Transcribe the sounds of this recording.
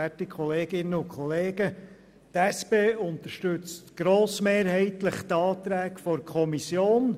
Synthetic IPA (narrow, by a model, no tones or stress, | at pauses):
ætikʰχɔleːɡɪnːəʊkʰχɔleːɡə | t̪æspeːʊnt̪əɾʃtʉt͡stɡ̥ɾoːsmeːɾhɛɪt̪ləχt̪ɑːt̪ɾæːkfɔɾkʰɔmisjoːn